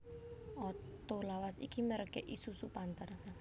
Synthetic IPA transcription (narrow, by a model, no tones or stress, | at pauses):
ɔt̪ulawasḭkiməɾəkɛʔisusupant̪ər